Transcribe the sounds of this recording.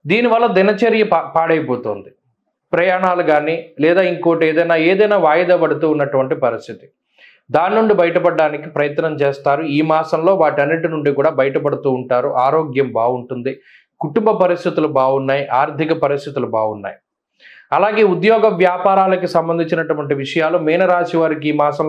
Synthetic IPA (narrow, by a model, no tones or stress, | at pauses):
d̪iːniʋɐlːɐd̪inɐt͡ʃɐɾjɐpaːɽɐjɐpoːt̪oːnd̪i | pɾɐjaːɳaːluɡaːniːlɛːd̪aːiŋkoːʈeːd̪ɐjnaːeːd̪ɐjnaːʋaːjɐd̪aːpɐɽut̪uːnːɐʈuʋɐɳʈipɐɾist̪ʰit̪i̥ | d̪aːninuɳɖibɐjɐʈɐpɐɖːaːnikipɾɐjɐt̪ːɐnɐmt͡ʃeːst̪aːɾuiːmaːsɐmlo̞ːʋaːʈiɐnːiʈinuɳɖikuːɽaːbɐjɐʈɐpɐɽut̪uːɳʈaːɾuʔaːɾoːɡjɐmbaːuɳʈund̪i | kuʈumbɐpɐɾist̪ʰit̪ulubaːunːaːjiʔaːɾd̪ʱikɐpɐɾist̪ʰit̪ulubaːɡunːa̰ːji | ɐlaːɡe̞ːud̪jɔːɡɐʋjaːpaːɾaːlɐkisɐmbɐnd̪iɲt͡ʃinɐʈuʋɐɳʈiʋiʂɐjaːlumɛːnɐɾaːsiʋaːɾikiiːmaːsɐm